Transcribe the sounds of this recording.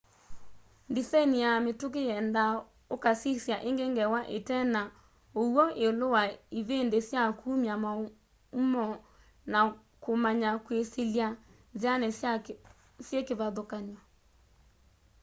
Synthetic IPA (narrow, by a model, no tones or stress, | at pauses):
ndisainijametokejɛnda | okasisjaʔeŋɡeŋɡɛwaʔetɛna | owɔʔeolowaiðendesjakʰumjama | mɔ | na | komaɲakweselja | zjanɛ | sjekeβaðokaɲwa